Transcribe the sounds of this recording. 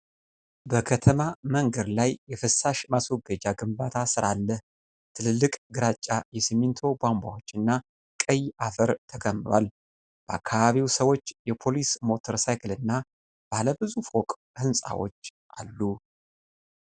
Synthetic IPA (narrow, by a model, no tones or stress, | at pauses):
bəkʰət̪ʰəmaməŋɡəɾlajːɛfɨsaʃmaswɔɡəd͡ʒaɡɨmbat̪ʰasɨɾalːəh | t̪ʰɨlɨlːɨkʼɡɨɾat͡ʃʼːajɛsimint̪ʰo̞bʷamba̰wo̞t͡ʃːɨnːa | kʼəjafəɾt̪ʰəkʰəmːɨɾwa̰l | b̥əa̰kʰːaβaβiwsəwo̞t͡ʃːjɛpʰo̞lismo̞t̪ʰəɾsajkɨlɨnːa | b̥aləbɨzufwokʼ | hɨnsʼa̰wo̞̰t͡ʃː | ʔa̰lːu